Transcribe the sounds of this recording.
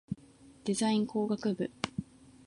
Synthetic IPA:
d̪̥e̞zaĩŋko̞ːɡakɯ̟bɯ̟

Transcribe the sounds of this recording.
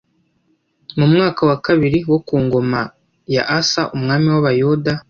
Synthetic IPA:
mumŋaːkawakaβiɾiwo̞kuːŋɡo̞ma | ja̰ʔasaʔumŋaːmiwaβajuda

